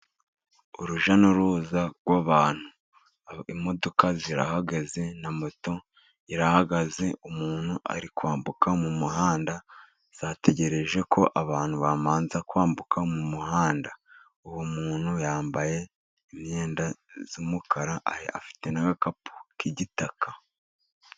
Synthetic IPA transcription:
uɾuʒanoɾuːzaɡwaβaːn̥hu | imo̞do̞kaziɾa̰haɡaze̞namoto̞ | iɾahaɡaze̞umuːn̥huʔa̰ɾikwaːmbukamumuɦaːnda | z̥aːte̞ɟe̞ɾe̞ʒe̞kʰo̞ʔaβaːn̥huβaːmaːnzakwaːmbukʰamumuɦaːnda | uβumuːn̥hujaːmbaje̞ | imɲe̞ːndazumukʰaɾaʔa̰hea̰fi̥te̞naɡakapʰu̥kiɟitakʰa

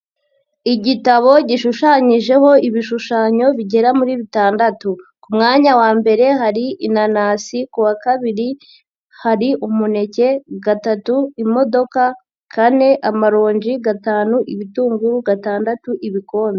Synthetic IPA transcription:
iɟitaβo̞ɟiʃuʃaɲiʒe̞ho̞iβiʃuʃaːɲo̞βiɟe̞ɾamuɾiːβitaːndatukumŋaːɲawaːmbe̞ɾe̞ɦaɾiinanaːsikuwakaβiɾi | haɾiʔumune̞ce̞ɡatatuimo̞do̞ka | kʰane̞ʔamaɾo̞ːɲɟiɡataːnuʔiβituːŋɡuɾuɡataːndatuʔiβiko̞ːndo

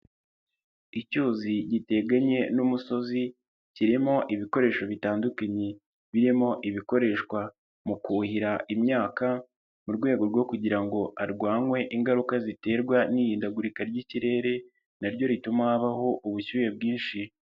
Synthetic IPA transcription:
icuːziɟite̞ɡaɲe̞numuso̞zi | ciɾimo̞ʔiβiko̞ɾe̞ːʃo̞βitaːndukaɲe | βiɾimo̞ʔiβiko̞ɾe̞ʃkwa | mukuːhiɾaʔimɲaːka | muɾɡwe̞ːɡo̞ɾɡwo̞kuɟiɾaŋɡo̞ʔaɾɡwaːŋwe̞ʔiŋɡaɾukazite̞ːɾɡwaniːɾiːndaɡuɾikaɾɟiciɾe̞ɾe̞ | naɾɟo̞ɾitumahaβaho̞ʔuβuçuːje̞bɡiːnʃi

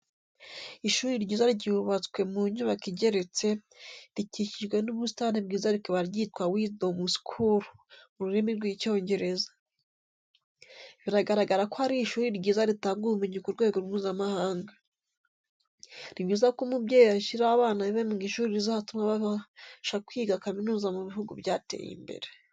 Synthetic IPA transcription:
iʃuːɾiɾɟiːzaɾɟiuβat͡skwe̞muɲuβakiɟe̞ɾe̞t͡se̞ | ɾiciciʒɡwe̞nuβustanibɡiːzaɾikoβaɾɟitwawidomuskʰuɾumuɾuɾemiɾɡwico̞ːɲɟe̞ɾe̞zḁ | βiɾaɡaɾaɡaɾakohaɾiʃuːɾiɾɟiːzaɾitaːŋɡujumuɲikuɾɡwe̞ːɡo̞ɾwuːzamahaːŋɡa | niβɟiːzakomubɟeːjiβaʃiɾaβaːnaβiβemuɡiʃuːɾiɾizahatumaβaβaʃakwiːɡakaminuːzamuβiɦuɡṵbjaːtḛjḭmbe̞̰ɾe

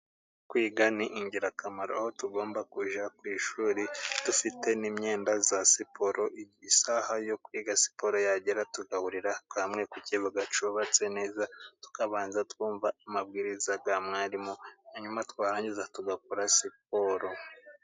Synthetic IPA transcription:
kwiːɡaniʔiɲɟiɾakamaɾo̰ahotuɡo̞ːmbakuʒakwiːʃuːɾitufite̞nimɲe̞ːndazasipʰo̞ɾo̞ʔiisahajokwiːɡasi̥po̞ɾo̞jaɟeɾatuɡahuɾiɾawamŋe̞kuciβuɡat͡ʃuβat͡se̞ne̞ːzatu̥kaβaːnzatkwuːɱvaːmabɡiːɾizaɡamŋaːɾimohaɲumatwaːɾaːɲɟizatuɡak̚uɾasip̚oɾo̞

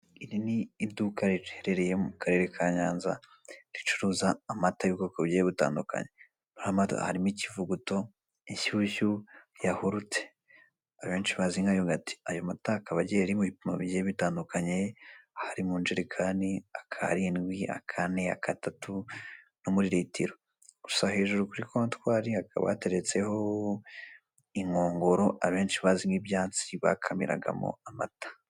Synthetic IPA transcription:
iɾiniːβdukaɾitheɾeɾejemukʰaɾe̞ɾekʰaɲaːnza̰ | ɾit͡ʃuɾuːzaːmatajukokoβijejeβita̰ːnduka̰ɲe | nohama̰ha̰ɾimicivuɡuto̞ | içuçujahuɾut͡se̥ | aββeːnt͡ʃiβaziŋɡajoɡati̥ajo̞matakaβaɟeaɾimuβipimaβiɟeβitaːndukaɲe̞haɾimund͡ʒiɾekʰaːndiakʰa̰ɾinɡwiʔa̰kʰane̞a̰kʰatatu | nomuɾiɾitiɾo̞ | ɡ̥usahe̞ːʒuɾukuɾikotwaːɾiakʰa̰βa̰te̞ɾet͡se̞ho̞ | iŋo̞ːŋɡo̞ɾo̞ʔaβe̞ːnʃiβaziŋɡibjaːt͡siβa̰kʰamḭɾa̰ɡa̰mo̰ama̰tḁ

